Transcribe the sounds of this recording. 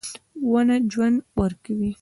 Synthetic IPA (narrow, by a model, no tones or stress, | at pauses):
wanad͡ʒwand̪wəɾkawi